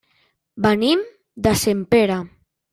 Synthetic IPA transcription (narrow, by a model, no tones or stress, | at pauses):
banim | d̪asempeɾa